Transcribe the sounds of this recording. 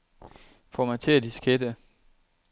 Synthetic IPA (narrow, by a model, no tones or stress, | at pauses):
fɒmɑ̈ɪt͡sʰe̝æd̥isɡ̥ed̥ə